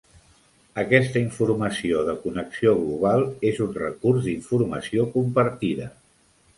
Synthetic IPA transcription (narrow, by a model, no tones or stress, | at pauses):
əkɛst̪əiɱfuɾməsioðəkunəksioɣluβ̞alˠezunrə̰kurzd̪iɱfurməsiokumpəɾt̪iðə